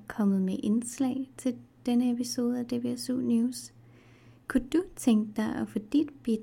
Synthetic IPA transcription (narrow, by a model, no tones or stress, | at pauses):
kʰɒ̽mð̞̩ˠmeʔe̝nslɛ̰ːɪt͡sʰe̝ld̥enəepʰiso̝ːð̞̩ˠæd̥e̝b̥e̝sṵːnjuːs | kʰud̥ut͡sʰeŋɡ̥əd̥ɑ̈ɪʔɒ̽fɔ̽d̥id̥b̥id̥